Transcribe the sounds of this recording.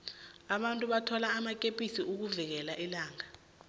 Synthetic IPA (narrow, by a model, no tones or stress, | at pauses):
aɓantʼuɓatʰɔlaːmakʼepʼisiʔuk̬uvik̬ɛlaʔilaːŋa